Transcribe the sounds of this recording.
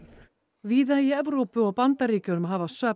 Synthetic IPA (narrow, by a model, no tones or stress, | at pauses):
viːðaiɛvɾowpʏɔɣpant̪aɾiːcʏnʏmɦaːvasœ